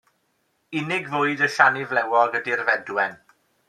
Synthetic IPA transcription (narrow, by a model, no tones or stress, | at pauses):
ɪnɪɡvʊːɨdəʃanɪvlɛwɔɡədirvɛdwɛn